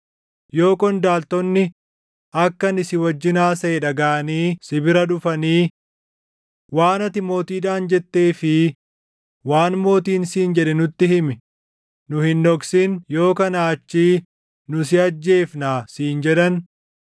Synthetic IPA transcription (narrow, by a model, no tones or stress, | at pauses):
jo̞ːkʼɔnd̪aːlt̪ɔnːɪ | ʔɐkːɐnɪsɪwɐd͡ʒːɪnaːsɐʔɛᶑɐɡaːʔɐniːsɪbɪɾɐᶑʊfɐniː | waːnɐt̪ɪmo̞ːt̪iːᶑaːnd͡ʒɛt̪ːe̞ːfɪ | waːnmo̞ːt̪iːnsiːnd͡ʒɛᶑɛnʊt̪ːɪɦɪmɪ | nʊhɪnːɔksɪnjo̞ːkɐnaːt͡ʃːiː | nʊs̬ɪɐd͡ʒːe̞ːfnaːsiːnd͡ʒɛᶑɐn